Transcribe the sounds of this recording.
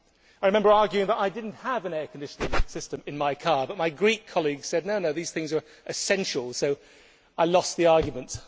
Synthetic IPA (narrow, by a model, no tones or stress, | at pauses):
aɪɹɨmɛ̃mbə˞ɑɹɡjʉɪ̃ŋðəɾaɪdɪdⁿn̩thəvɨ̃nɛkʰndɪʃə̃nl̩ˠsɪstɨ̃mɨ̃nmaɪkʰɑɹbʌt̚maɪɡɹikʰːɑlˠiɡz̥sɛd̚ⁿnoʊnoʊðiz̥θɪ̃ŋzə˞ | ʔɨsɛ̃nʃl̩ˠsoʊ | ʔaɪlɔsðiɑɹɡjmə̃nt